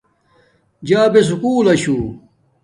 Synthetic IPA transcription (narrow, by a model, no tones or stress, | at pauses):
d͡ʑaːbes̬ukuːlɐɕuː